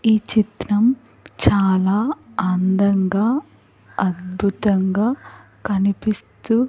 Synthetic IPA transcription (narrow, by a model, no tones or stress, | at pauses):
iːt͡ʃit̪ɾɐm | t͡ʃaːlaːɐnd̪ɐŋɡaː | ɐd̪̚bʱut̪ɐŋɡaː | kɐnipist̪u